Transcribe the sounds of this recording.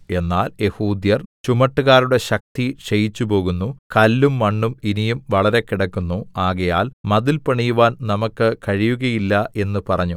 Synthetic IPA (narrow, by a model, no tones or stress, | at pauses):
e̞nːaːlje̞huːd̪jɐrt͡ɕumɐʈːuɣaːɾuɽe̞ɕɐk̚t̪iɕejit͡ɕːupo̞ːɣunːukɐlːumːɐɳːuminijumʋɐɭɐɾe̞kiɽɐkːunːuaːɣɐjaːlmɐðilpɐɳijuʋaːnnɐmɐkːɨkɐɻijuɣɐjilːɐʔe̞nːupɐrɐɲːu